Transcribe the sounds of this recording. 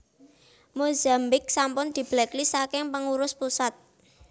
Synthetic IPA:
mozambɪk̚sampʊnd̪̥i̤b̥lɛklisakɪŋpəŋuɾʊspusat̪̚

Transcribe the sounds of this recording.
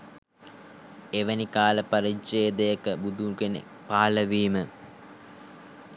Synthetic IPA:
eʋənikaːləpaɾit͡ʃeːd̪əjəkəbud̪ukenḛ | paːləʋiːmə

